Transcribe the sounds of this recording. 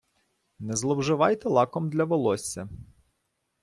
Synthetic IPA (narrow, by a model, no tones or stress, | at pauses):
nɛzlˠɔwʒɪʋɑjt̪ɛlˠɑkɔmd̪lʲɐʋɔlˠɔsʲːɐ